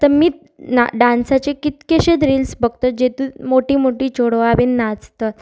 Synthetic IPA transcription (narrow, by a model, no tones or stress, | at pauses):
t̪əɾmiː | naɖãnsat͡ɕekit̪keɕed̪ɾiːlsbəɡt̪əd͡ʑet̪ũmoʈiːmoʈiːt͡ɕoɽoaʋenːat͡st̪ət̪